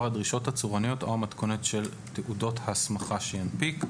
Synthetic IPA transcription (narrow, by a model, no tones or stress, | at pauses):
ʁadʁiʃo̞that͡suʁanijo̞tomat̪konetʃe̞l | t̪eʔudo̞thasmaχaʃejanpik